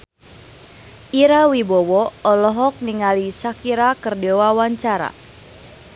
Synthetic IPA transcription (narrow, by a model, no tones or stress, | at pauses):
ʔiɾawibɔwɔɔlɔɦɔk̚niŋalisakiɾakərdewawaɲt͡ʃaɾa̰